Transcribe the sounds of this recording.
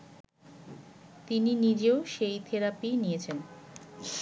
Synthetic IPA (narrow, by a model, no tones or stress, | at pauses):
t̪ininid͡ʑeoʃejt̪ʰeɾapinijet͡ɕʰen